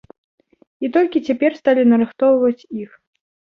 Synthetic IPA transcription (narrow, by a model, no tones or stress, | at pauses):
it̪ɔlʲkʲit͡sʲapʲɛrst̪alʲinɐɾɨxt̪ɔwvɐt͡sʲix